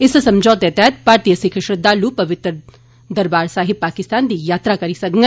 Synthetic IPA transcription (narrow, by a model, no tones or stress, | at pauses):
ɪssɐmd͡ʒɔːt̪et̪ɛːt̪̚paːɾt̪ijəsɪkʰəʃɾɪd̪aːluːpɐʋɪt̪ɾə | d̪əɾbaːɾsaːɦɪbpaːkɪst̪aːnd̪iːjaːt̪ɾakɐɾisɐkŋɡɛ